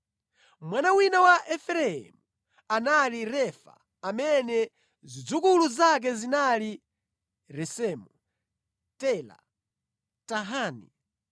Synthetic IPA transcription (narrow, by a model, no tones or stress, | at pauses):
mwanawinawaʔɛfɛɾɛɛ̰mu | analiɾɛfa̰ | amɛnɛ | zid͡zukuluzak̬ɛzinali | ɾɛsɛːmu | tɛla̰ | taɦaːnḭ